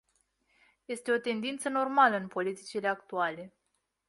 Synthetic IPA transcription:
je̞st̪e̞o̞t̪e̞nd̪int̪səno̞rmaləɨnpo̞lit̪it͡ʃile̞akt̪uale̞

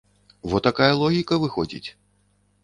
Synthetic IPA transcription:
vɔt̪akajɐlˠɔɣʲikɐvɨxɔd͡zʲḭt͡sʲ

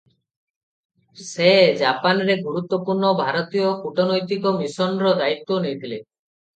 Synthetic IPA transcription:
sed͡ʒapanɾeɡuɾut̪ːwɔpuɾɳɔbʱaɾɔt̪ijɔkuʈɔnɔjt̪ikɔmisɔnɾɔd̪ait̪ːonejt̪ʰile

